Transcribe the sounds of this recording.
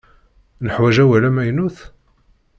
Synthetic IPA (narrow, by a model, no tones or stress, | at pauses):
nəħwæʒæwælæmæjnuθ